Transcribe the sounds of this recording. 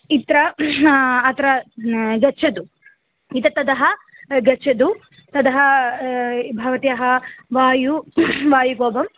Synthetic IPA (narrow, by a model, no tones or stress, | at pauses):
it̪ɾɐ | ɐt̪ɐɾɐɡɐt͡ʃʰɐd̪u | it̪ɐt̪ɐd̪ɐɦɐ | ɡɐt͡ʃʰɐd̪u | t̪ɐd̪ɐɦɐ | bʱɐʋɐt̪ijɐɦɐʋaːjuʋaːjuɡoːbɐm